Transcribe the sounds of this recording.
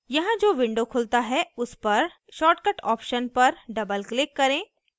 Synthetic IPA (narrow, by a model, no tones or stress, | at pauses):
jɐɦãd͡ʒoːʋɪ̃ɳɖokʰʊlt̪aɦɛʊspɐɾ | ʃɔːʈkəʈɔːpʃənpɐɾɖɐbəlklɪkːɐɾẽː